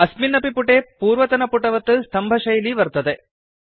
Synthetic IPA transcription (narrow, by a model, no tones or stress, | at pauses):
ɐsminɐpipuʈeːpuːɾʋɐt̪ɐnɐpuʈɐʋɐt̪ːɨst̪ʰɐmbʱɐʃɐjliʋɐɾt̪ːɐd̪e